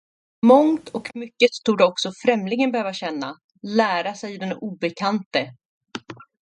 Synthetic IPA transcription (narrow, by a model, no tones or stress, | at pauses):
mɔŋt̪ʰɔkmʏkːəst̪ʰuːɖəɔksɔfɾɛmlɪɡənbɛhøːvaɕɛnːa | læːɾasɛjd̪ɛnuːbɛkʰant̪ə